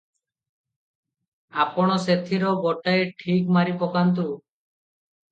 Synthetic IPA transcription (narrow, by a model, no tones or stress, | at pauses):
apɔɽ̃ɔset̪ʰiɾɔbɔʈajʈʰikmaɾipɔkant̪ɾu